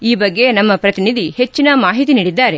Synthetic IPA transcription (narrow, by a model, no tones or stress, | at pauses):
iːbɐɡːe̞nɐmːɐpɾɐt̪inid̪ʱihe̞t͡ʃːinɐmaːɦit̪iniːɽid̪ːaːɾe